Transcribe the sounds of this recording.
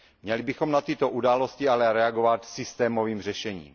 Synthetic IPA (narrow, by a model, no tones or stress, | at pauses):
mɲɛlɪbɪxo̞mnat̪ɪt̪o̞ʔudaːlo̞scɪalɛɾɛaɡo̞vat̪sɪst̪ɛːmo̞viːmr̝ɛʃɛɲḭːm